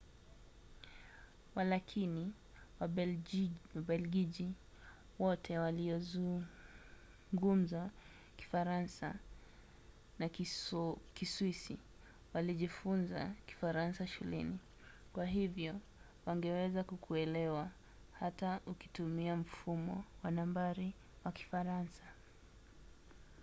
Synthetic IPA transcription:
walakʰini | wa | waɓɛlɡiʄi | wɔtʰɛwaliɔzu | ŋɡum̩za | ki̥faɾansa̰ | na | kiswisḭ | waliʄifunzaki̥faɾansaʃulɛ̰ni | kwaɦivjɔ | waŋɡɛwɛzakukʰuɛlɛwa | hatauki̥tumiam̩fumɔ̰wanambaɾi | waki̥faɾansḁ

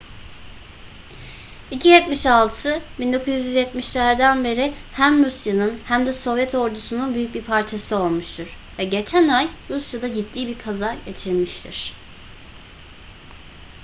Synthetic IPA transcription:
icʰijɛt̪miʃalˠt̪ʰɯbind̪o̞kʰuzjyzjɛt̪miʃlʲæɾd̪ænbe̞ɾihæmɾusjanɯnhæmd̪ɛso̞vjɛt̪ʰo̞ɾd̪usununbyjyc̚biɾpʰaɾt͡ʃʰasɯo̞lˠmuʃt̪ʰuɾ̥ | vɛɟe̞t͡ʃʰænajɾusjad̪aɟit̪ʰːiːbiɾkʰazaɟe̞t͡ʃʰiɾmiʃt̪ʰḭɾ̥

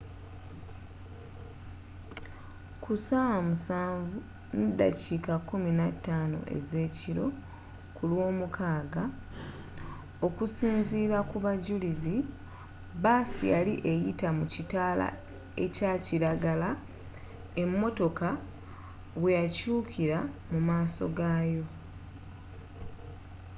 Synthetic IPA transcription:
kʰusawamusaːɱvu | nida̰cikakːuminatːaːno̞̰ʔe̞̰ze̞ːciɾo̞ | kulwo̞ːmukʰaːɡa | o̞kusiːnziːɾakuβaɟulizi | baːsḭjaliʔe̞jitamucitaːla̰ | e̞̰caːciɾaɡala | e̞mːo̞to̞ka | βwejacuːkʰiɾamumaːso̞̰ɡaːjo̞

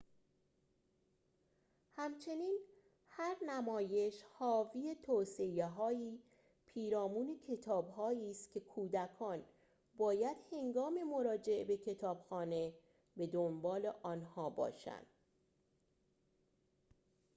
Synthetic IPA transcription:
hæmt͡ʃʰe̞niːn | hæɾnæmɒːje̞ʃhɒːviːet̪ʰoːse̞eɦɒːiː | pʰiːɾɒːmuːne̞cʰe̞t̪ʰɒːbɦɒːiːst̪cʰe̞kʰuːd̪ækʰɒːn | bɒːjæd̪̥he̞ŋɡɒːmemo̞ɾɒːd͡ʒe̞ʔebe̞cʰe̞t̪ʰɒːb̥xɒːne̞ | be̞d̪ombɒːle̞ʔɒːnhɒːbɒ̰ːʃæ̰nd̪̥̚

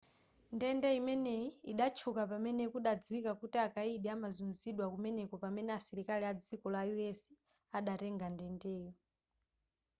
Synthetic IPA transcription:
ndɛndɛimɛnɛiiɗat͡ʃʰukapamɛnɛkuɗad͡zwikakutiakaiɗiamazunziɗwakumɛnɛkɔpamɛnɛasiɾikaliad͡zikɔlajuɛsi | aɗatɛŋɡandɛndɛːjɔ

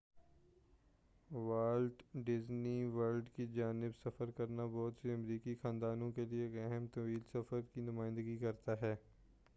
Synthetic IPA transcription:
ʋaːlɖɖɪzniʋɐɾlɖkid͡ʒaːnɪbsɐfəɾkɐɾnabɔːt̪seɐmɾiːkixãːnd̪aːnõkelieːkɛɦɛmt̪ɐʋiːlsɐfəɾkinʊmaːɪ̃nd̪əɡikɐɾt̪aɦɛː

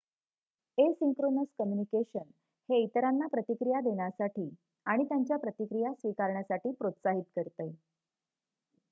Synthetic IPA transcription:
esiŋkɾonəskəmjunikeɕən | heit̪əɾanːapɾət̪ikɾijad̪eɳjasaʈiː | aɽ̃it̪jaɲt͡ɕjapɾət̪ikɾijasʋikaɾɳjasaʈiːpɾot̪saɦit̪kəɾt̪əj

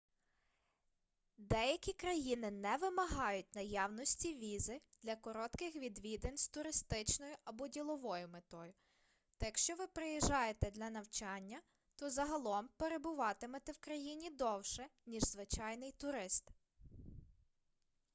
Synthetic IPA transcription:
d̪ɛjɐkʲikɾɐjinɪnɛʋɪmɐɦɑjʊtʲnɐjɑwnɔsʲtʲiʋʲizɪd̪̥lʲɐkɔɾɔt̪kɪxʋʲid̪ʋʲid̪enʲzt̪ʊɾɪst̪ɪt͡ʃnɔjʊʔɐbɔdʲilˠɔʋɔjʊmet̪ɔjʊ | t̪ɛjɐkʃt͡ʃɔʋɪpɾejiʒɑjet̪ɛd̪lʲɐnɐwt͡ʃɑnʲːɐ | t̪ɔzɐɦɐlˠɔmpeɾebʊʋɑt̪ɪmɐt̪ɛwkɾɐjinʲid̪ɔwʃɛnʲiʒzʋɪt͡ʃɑjnɪjt̪ʊɾɪst̪

